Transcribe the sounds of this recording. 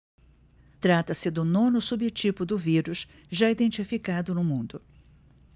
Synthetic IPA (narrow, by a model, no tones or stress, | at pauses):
t̪ɾat̪ɐsɪd̪ʊnõnʊsubɪt͡ʃipʊd̪ʊviɾʊs | ʒaid̪ẽnt͡ʃifikad̪ʊnʊmũnd̪ʊ